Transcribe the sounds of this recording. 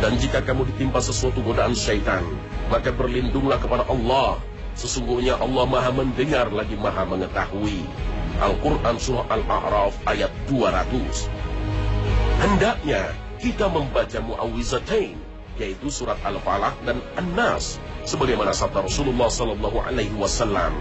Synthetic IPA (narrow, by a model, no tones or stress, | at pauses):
dand͡ʒikakamudit̪impasəsuat̪uɡodaanʃajt̪an | makabərlindʊŋlahkəpadaʔɑlːɑh | səsuŋɡuhɲaʔɑlːɑhmaɦaməndəŋarlaɡimaɦaməŋət̪ahui | ʔa̰lkurʔansuɾaalʔa̰ʕɾɑfʔajat̪̚duaɾat̪us | həndaʔɲa | kit̪aməmbat͡ʃamuʔawizat̪ajn | jait̪usuɾat̪̚alfalahdananːasː | əbaɡajmanasap̚taɾɔsululːɑhsɔlɑlːɑɦuʔa̰lajhiwasalːa̰m